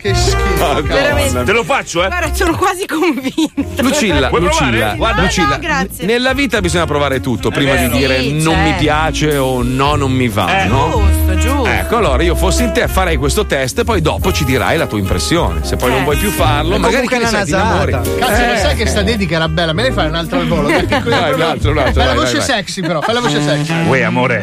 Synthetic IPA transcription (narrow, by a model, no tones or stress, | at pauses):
keku | t̪elofat͡ʃːoɛsoːnokwaːzikoɱvint̪lut͡ʃilːalut͡ʃilːawalut͡ʃilːaɡanelːaviːt̪abizoɲːapɾovaːɾet̪ut̪ːopɾiːmad̪id̪iːɾenomːipjaːt͡ʃeonɔnomːiva̰nɔuɛ̰kːoalːoːɾaiːofosːeint̪efaɾɛjkwest̪ot̪ɛst̪epːɔjd̪ɔːpot͡ʃid̪iɾa̰jlat̪uːaimpɾḛsːjo̰ːnḛsepːɔjnõɱvwɔjpjufːarlomaɡaːɾikkenat̪iamoːɾikat̪sinossajkest̪ad̪ed̪ikeɾabɛlːamenajfaɾunalt̪ɾalvoːlopeɾkekaalalt̪ɾolat̪ajlavoat͡ʃḛsɛksipeɾɔfajlavoːt͡ʃesɛksiweamoːɾe